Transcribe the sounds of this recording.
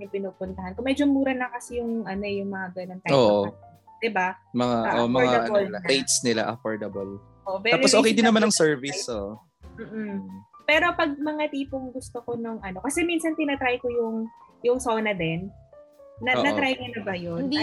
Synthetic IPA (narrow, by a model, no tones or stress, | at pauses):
nɪpɪnupʊnt̪ɐhankomɛd͡ʒomuːɾɐnɐkɐsɛjʊŋʔɐno̞ɛjʊŋmɐŋaɡɐnoŋt̪aoʔo | d̪̥ɪbamɐŋaʔomɐɹŋadʔɐolejt̪snɪla̰ʔɐkoɹd̪ɐbɐl | oʔobɛalosoːkejd̪ɪnɐmanɐŋsɛɹvisoʔ | m̩ːʔ̩pɛːɾo̞pɐɡ̚mɐŋat̪iːpoŋɡʊst̪okonoŋʔɐno̞kɐsɛminsɐnt̪ɪnɐt̪ɾajkojʊŋjʊŋsoːnɐd̪ɛnː | ɐnɐt̪ɾajkɐnɐbɐjon